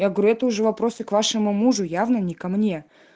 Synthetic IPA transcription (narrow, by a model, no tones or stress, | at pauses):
jaɡəɾʲuɛt̪əʊʐɛvɐpɾo̞sɨkvaʂɨmʊmuʐʊjavnənʲɪkɐmnʲe̞